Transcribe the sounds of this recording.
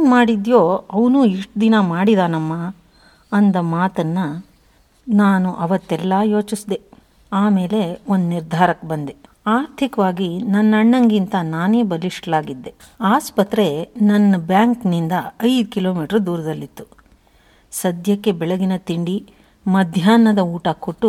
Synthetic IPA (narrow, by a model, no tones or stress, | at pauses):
nmaːɽid̪joːɐʋnuːiʂʈd̪inɐmaːɽid̪aːnɐmːa | ɐnd̪ɐmaːt̪ɐnːɐ | naːnuʔɐʋɐt̪ːɛlːajo̞ːt͡ʃisd̪e | aːme̞ːle̞o̞nd̪uniɾd̪ʱaːɾɐkbɐnd̪e | aːɾt̪ʰikɐʋaːɡinɐnːɐɳːɐŋɡint̪ɐnaːne̞ːbɐliʂʈlaːɡid̪ːe̞ | aːspɐt̪ɾe̞nɐnːɐbjaːŋknind̪ɐɐjd̪ukilo̞ːmiːʈɐɾud̪uːɾɐd̪ɐlːit̪ːu̥ | sɐd̪jɐkːe̞bɛɭɐɡinɐt̪iɳɖi | mɐd̪ʱjaːnːɐd̪ɐuːʈɐkoʈːu